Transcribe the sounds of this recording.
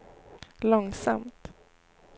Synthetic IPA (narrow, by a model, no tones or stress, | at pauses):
lɔŋsa̰mt̪